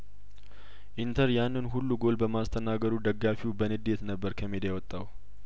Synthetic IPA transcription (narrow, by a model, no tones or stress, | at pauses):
ʔint̪ʰəɾjanːɨnɦulːuɡo̞lbəmast̪ʰənaɡəɾud̪əɡːafiwbənɨd̪ːe̞t̪nəbːəɾkʰəmed̪jawɔt̪ʼːaw